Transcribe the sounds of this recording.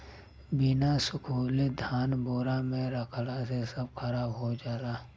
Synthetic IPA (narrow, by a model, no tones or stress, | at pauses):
bɪnasʊkʰuːled̪ʱaːnboːɾamẽɾəkʰlasesəb̚kʰəɾaːbɦod͡ʒaːɾaː